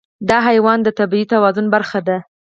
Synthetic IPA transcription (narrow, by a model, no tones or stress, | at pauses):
d̪ɑɦajwɑnd̪ət̪abiit̪awɑzʊnbaɾxad̪a